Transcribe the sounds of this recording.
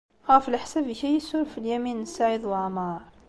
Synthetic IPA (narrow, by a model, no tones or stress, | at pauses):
xæfilʔəħsæbçæjəsʊɾfiljæminəsːaʕəd̪wʕmɑɾˤ